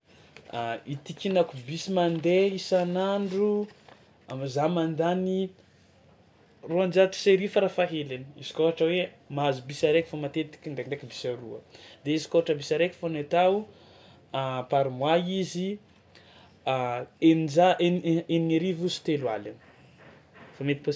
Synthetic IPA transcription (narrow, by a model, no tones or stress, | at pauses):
it̪ikʲinakubisimand̪eisanaɳɖ͡ʐu | amizamand̪ani | roand͡ʒat̪i̥seɾifaɾafaɦelani̥izi̥koɦaʈ͡ʂəwe | maazubisaɾekʲi̥famat̪et̪i̥kʲind̪endekibisaɾuəd̪eizi̥koɦaʈ͡ʂəbisaɾekʲi̥fonet̪au | apaɾimwaizi | enid͡ʒaʔenenieɾivuzi̥t̪elwa̰lan | famet̪i̥po